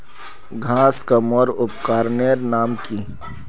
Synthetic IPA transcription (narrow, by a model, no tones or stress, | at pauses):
ɡʱãːskamɔɾʊpkaːɾneɾnaːmki